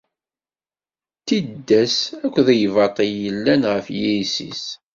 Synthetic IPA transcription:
t̪id̪ːæsækʷːðæjvɑt̪ˤiəlːænʁəfjiisḭs

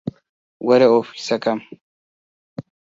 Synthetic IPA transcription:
wɐɾɛofisɐkɐm

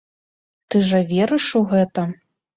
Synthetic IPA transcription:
t̪ɨʐɐvʲɛɾɨʂuɣɛt̪ɐ

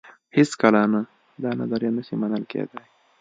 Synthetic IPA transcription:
hɪskalana | d̪ɑna̰zaɾjanaʃimanəlkḛd̪aj

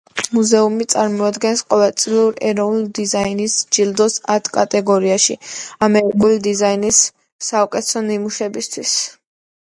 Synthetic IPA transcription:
muzɛumit̪sʼaɾmɔad̪ɡɛnsqʼɔvɛlˠt̪sʼliuɾɛɾɔvnud̪izainisd͡ʒild̪ɔsat̪ʰkʼat̪ʼɛɡɔɾiaʃḭamɛɾikʼulid̪izainisː | aɔkʼɛt̪sɔnimuʃɛbist̪ʰwis

